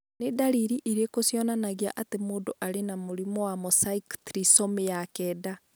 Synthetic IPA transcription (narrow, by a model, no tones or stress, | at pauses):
nedaɾiɾiʔiɾekosjɔnanaɣia̰ʔatemoːndoʔaɾenamoɾimɔwamɔsaiktɾisɔmejakɛːda